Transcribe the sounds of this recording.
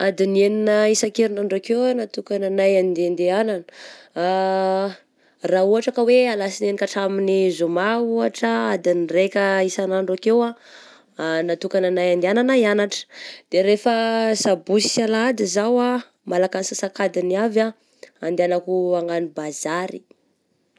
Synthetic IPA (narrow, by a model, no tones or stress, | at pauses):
ad̪ineninəisakeɾinaɳɖ͡ʐokewanat̪ukananajand̪end̪eananə̥ | rauɦaʈ͡ʂakəwealasinenikaʈ͡ʂaminizumauɦaʈ͡ʂəad̪inirekʲəisanaɳɖ͡ʐakewa | nat̪ukananajand̪eananaianaʈ͡ʂə̥d̪̥eɾefəsabusi̥salad̪izawa | malakansasakad̪iniava | and̪eanakuaŋanibazaɾḭ